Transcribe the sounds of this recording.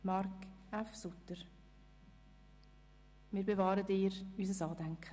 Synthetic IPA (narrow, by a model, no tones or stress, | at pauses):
mɑrk | afsʊtəɾ | mɪːɾbevɑːɾətɪːɾysəsɑːdæŋkχə